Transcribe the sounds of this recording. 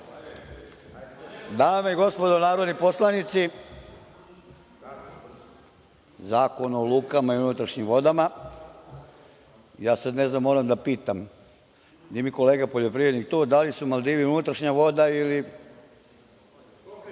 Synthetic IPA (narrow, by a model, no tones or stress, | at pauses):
d̪aːmeiɡo̞spo̞d̪onaːɾo̞d̪nipo̞slˠanit̪si | zaːko̞nolˠuːkamaiunut̪ɾaʃɲimʋo̞d̪ama | jaːsad̪neznamːo̞ːɾamd̪apiːt̪am | d̪imiko̞leːɡapoʎo̞pɾiʋɾed̪nikt̪oːd̪alisumald̪iːʋiunut̪ɾaʃɲaʋo̞d̪aili